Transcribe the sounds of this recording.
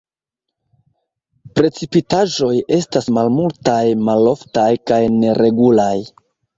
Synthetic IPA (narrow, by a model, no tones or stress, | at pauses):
pɾe̞t͡sipitaʒo̞je̞stasmalmultajmalo̞ftajkajne̞ɾʔe̞ɡulaj